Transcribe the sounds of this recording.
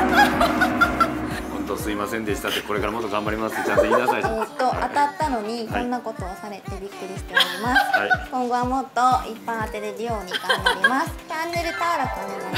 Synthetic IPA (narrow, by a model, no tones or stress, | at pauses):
hõnt̪osɨimasẽ̞nd̪eɕi̥t̪at̪ːeko̞ɾe̞kaɾamo̞t̪ːoɡãmbaɾʲimasɨ̥et͡ɕãiasaiet̪ːo̞ʔa̰t̪at̪ːano̞ɲ̟ikõnːako̞t̪o̞ːsaɾe̞t̪e̞bʲikːɯ̟ɾʲiɕi̥t̪e̞oɾʲimasɨ̥ikõ̞ŋɡo̞βamo̞t̪ːo̞ippːãat̪e̞ɾeɾɯ̟jo̞ːɲ̟iɡãmbaɾʲimasɨ̥t͡ɕãnːe̞ɾɯ̟t̪aɾakɯaɲ̟ina